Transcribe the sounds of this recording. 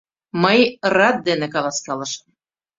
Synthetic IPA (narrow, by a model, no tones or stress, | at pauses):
məjrɑt̪̚d̪enĕkɑlˠɑskɑlɤʃə̥̆m